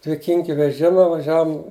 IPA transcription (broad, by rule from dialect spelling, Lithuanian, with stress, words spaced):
dʲʋʲɪˈkʲɪŋʲkʲɪ ʋʲɛˈʒʲɪmɐ ʋɐˈʒʲæːʋʊm